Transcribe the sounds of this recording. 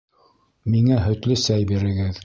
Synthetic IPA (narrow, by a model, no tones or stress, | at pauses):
miŋæɦɵ̆t̪lɵsæjbiɾɘ̆ɡɘð